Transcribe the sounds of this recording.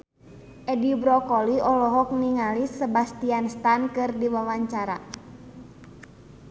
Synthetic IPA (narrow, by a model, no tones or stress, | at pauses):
ʔɛdibɾɔkɔliɔlɔɦɔk̚niŋalisːəbast̪ianst̪ankɨrdiwawaɲt͡ʃaɾa